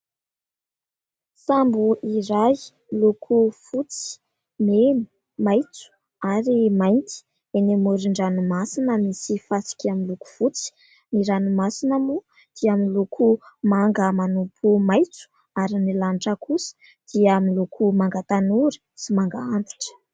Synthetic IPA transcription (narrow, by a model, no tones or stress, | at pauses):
sambuʔiɾaj | lukʰufut͡si̥ | menu̥ | majt͡su̥ | aɾimajnt̪i̥ | enemuɾiɳɖ͡ʐanumasinəmisifasi̥kʲaminluku̥fut͡si̥ | niɾanumasinamu | d̪̥iaminlukʰumaŋɡəmanupʰumajt͡su̥ | aɾinilanʈ͡ʂəkʰusə̥ | d̪̥iəmilukʰumaŋɡat̪anuɾi̥simaŋɡaand̪i̥ʈ͡ʂə̥